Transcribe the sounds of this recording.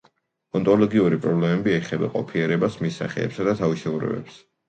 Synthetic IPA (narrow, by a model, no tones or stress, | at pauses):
ɔnt̪ʼɔlɔɡiuɾipʼɾɔblɛmɛbiɛχɛba̰qʼɔ̰pʰiɛɾɛbasmisa̰χɛ̰ːpsad̪at̪ʰaviʃɛuɾɛ̰bɛ̰ps